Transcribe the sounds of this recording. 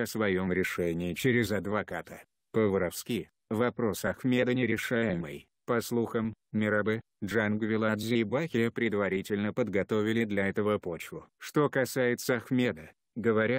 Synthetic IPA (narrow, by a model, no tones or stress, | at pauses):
əsvɐjo̞mɾʲɪʂɛnʲɪːt͡ɕɪɾʲɪzɐd̪vɐkat̪ə | pəvɨɾɐfskʲi | vɐpɾo̞sɐxmʲe̞d̪ənʲɪɾʲɪʂajɪməj | pɐslˠuxəmːʲɪɾɐbɨ | ʐanɡvʲɪlˠad̪zʲɪbaxʲɪəpɾʲɪd̪vɐɾʲitʲɪlʲnəpəd̪ɡɐt̪o̞vʲɪlʲɪd̪lʲɐɛt̪əvəpo̞t͡ɕvʊʂt̪o̞kɐsajɪt̪səɐxmʲe̞d̪ə | ɡəvɐɾʲa